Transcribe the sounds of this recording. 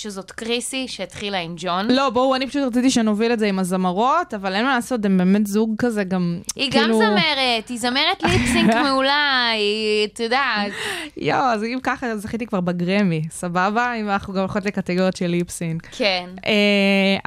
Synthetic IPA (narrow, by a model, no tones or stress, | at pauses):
ʃezot̪kʁisiʃeit̪χilaimd͡ʒonlo̞bouanipaʃutʁat͡sit̪iʃenoviletzeimazamaʁo̞tavalenmonaːso̞tembeːmetzuɡkazeɡamiɡkimluzameʁetizameʁetlipsiŋkmeulait̪joda | joazimkaχazaχit̪̬ikvaʁbaɡʁemisababaimanaχnuɡamolχotlekat̪eɡoʁjot̪ʃelːipsiŋkkʰene